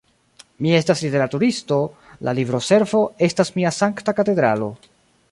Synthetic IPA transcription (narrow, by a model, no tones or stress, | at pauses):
mie̞staslite̞ɾatuɾisto̞ | lʔa̰libɾo̞se̞ɾvo̞e̞stasmiasaŋktakate̞d̪ɾa̰lo̞̰